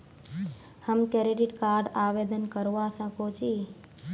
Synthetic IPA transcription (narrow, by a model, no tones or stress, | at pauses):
həmkeɾiɖiʈkaɾɖaʋed̪ənkəɾʋasə̃kot͡ʃʰi